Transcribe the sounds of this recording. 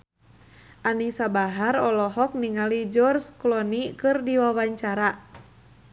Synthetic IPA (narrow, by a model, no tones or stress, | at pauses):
ʔanisabaɦaɾɔlɔɦɔk̚niŋalid͡ʒɔrsklɔnikɨrdiwawaɲt͡ʃaɾa